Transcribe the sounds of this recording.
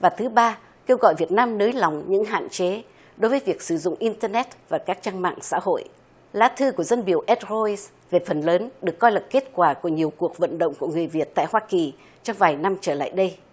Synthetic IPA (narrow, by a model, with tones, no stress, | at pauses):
vaː˨˩t̪ʰɨ˨˦ɓaː˧ | ke˧wɣɔ̰˧˨jvi˨˩ət̚naː˧mnəː˨˦jla˨˩wŋ͡mɲɨ̰˧˥ŋɦa̰ː˧˨nt͡ɕe˨˦ | ɗo˨˦jvəː˨˦jvi˨˩ək̚sɨ˧˩zʊ̰˧˨ŋ͡mʔi˧nt̪əː˧nɛ˦˥t̚vaː˨˩ka˦˥k̚t͡ɕaː˧ŋma̰ː˧˨ŋsa̰ː˧˥ɦo̰˧˨j | laː˨˦t̪ʰɨ˧ku˧˩əzə˧nɓi˧˩əwʔɛ˦˥t̚zɔ˧jz | ve˨˩fə˨˩nləː˨˦nɗɨ˨˩əkːɔ˧jlaː˨˩ke˦˥t̚kwaː˧˩ku˧˩əɲi˨˩əwku˨˩ək̚və̰˧˨nɗə̰˧˨wŋ͡mku˧˩əŋɨ˨˩əjvi˨˩ət̚t̪a̰ː˧˨jhwaː˧ki˨˩ | t͡ɕɔ˧wŋ͡mvaː˨˩jna˧mt͡ɕəː˧˩la̰ː˧˨jɗə˧j